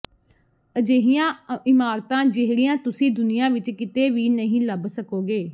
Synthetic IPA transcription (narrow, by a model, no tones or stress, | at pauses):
əd͡ʒeːɦɪjãːɪmaːɾt̪ãːd͡ʒɪɦɾɪjãːt̪ʊsĩːd̪ʊnɪjãːʋɪt͡ʃkɪt̪eːʋiːnəɦĩːləbsəkoːɡeː